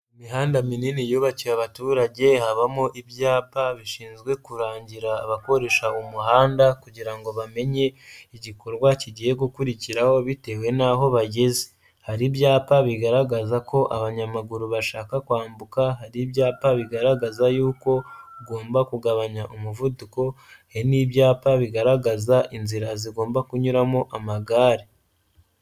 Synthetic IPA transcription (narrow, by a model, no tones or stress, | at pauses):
imiɦaːndamininijoβacijaβatuːɾaɟe̞haβamoʔibjaːpaβiʃiːnzɡwe̞kuɾaːɲɟiɾaːβako̞ɾe̞ʃaumuɦaːndakuɟiɾaŋɡo̞βame̞ɲe̞iɟiko̞ɾɡwaciɟije̞ɡukuɾiciɾaho̞βite̞we̞naɦo̞βaɟe̞ze̥ | haɾibjaːpaβiɡaɾaɡazako̞ʔaβaɲamaɡuɾuβaʃaːkakwaːmbukaɦaɾibjaːpaβiɡaɾaɡazajuːko̞ɡo̞ːmbakuɡaβaɲaʔomuvuduko̞ | eniːβjaːpaβiɡaɾaɡazaʔinziɾaziɡo̞ːmbakuɲuɾamoʔamaɡaːɾe